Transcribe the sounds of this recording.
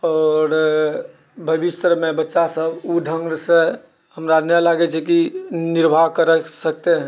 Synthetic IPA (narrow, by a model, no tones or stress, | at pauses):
ɔɾ | bʱəbist̪ɾmebətːʃasəbuɖʱə̃ŋɡse | həmɾanɛlaɡɛt͡ʃʰɛkiniɾbʱaɦkəɾɛsək̚t̪ɛɦ